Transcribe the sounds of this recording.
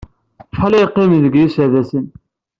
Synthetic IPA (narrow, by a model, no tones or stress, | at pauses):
fɑlijqːimðəɡjisəʕðæsən